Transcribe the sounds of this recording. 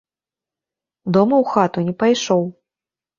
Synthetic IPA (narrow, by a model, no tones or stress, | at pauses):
d̪ɔmɐwxat̪unʲɛpajʂɔw